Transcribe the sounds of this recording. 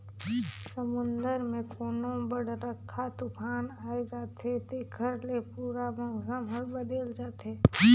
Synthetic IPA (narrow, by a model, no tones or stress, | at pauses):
səmʊ̃nd̪əɾmẽkʰoːnõbəɽɾəkʰːat̪ʊkʰaːnaːed͡ʒaːt̪ɦet̪eɡʱəɾlepuːɾamɐ̃ɡəmɦəɾbəd̪eld͡ʒaːt̪eː